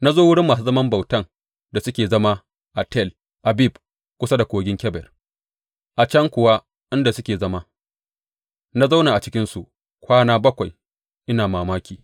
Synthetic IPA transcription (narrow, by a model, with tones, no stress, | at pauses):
na˦zoː˦wʊ˦ɽɪ˦mːaː˨s̬u˦zɐ˦mɐ˦mba˨wtɐ˦˨ŋ | da˨sʊ˦kʲeː˨zɐ˦ma˦ | ʔa˨tɛ˦˨l | ʔa˨bi˦˨b | kʷʊ˦sa˦da˨kʷoː˨ɡʲɪ˦ŋkʲɛ˦bɛ̰˨r | ʔa˨t͡ʃɐ˦ŋkʷʊ˨wa˦ | ʔɪ˦nda˨sʊ˦kʲeː˨zɐ˦ma˦ | na˦za˦wna˨ʔa˨t͡ʃɪ˦kʲɪ˦nsu˨ʔ | kʷaː˦naː˦bɐ˦kʷa˨j | ʔɪ˦naː˨maː˨maː˦kʲiː˨